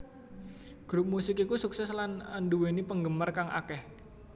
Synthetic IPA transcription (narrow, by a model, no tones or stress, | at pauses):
ɡ̥ɾup̚musɪkikusuksɛslananduwenipəŋɡəmərkaŋʔa̰kɛh